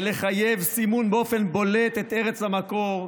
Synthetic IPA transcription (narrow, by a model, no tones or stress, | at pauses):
le̞χajevsimunbeo̞fe̞nbo̞let̪et̪eʁet͡shamako̞ʁ